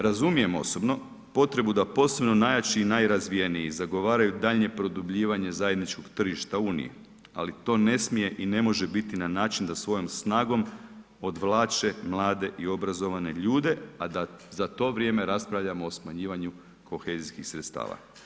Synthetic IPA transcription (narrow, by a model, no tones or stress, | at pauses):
ɾazumije̞mo̞̰sobno̞ | po̞t̪ɾe̞bud̪apo̞ːse̞bno̞najat͡ʃinajɾazʋijenijizaɡo̞ʋaːɾajud̪aʎɲe̞pɾo̞d̪ubʎiːʋaɲe̞zaje̞d̪nit͡ʃko̞ɡt̪r̩ʒiʃt̪auːnḭjḛ | a̰lit̪o̞ːne̞smije̞ʔine̞mo̞ʒe̞bit̪inanaːt͡ʃind̪asʋo̞jo̞msnaːɡo̞m | od̪ʋlˠaːt͡ʃe̞mlˠaːd̪e̞ʔio̞bɾazo̞ʋane̞ʎuːd̪e̞ad̪azat̪o̞ʋɾʲjeme̞ɾaspɾaʋʎamoːsmaɲiːʋaɲu | ko̞xe̞ziskixsɾet̪st̪a̰ːʋa̰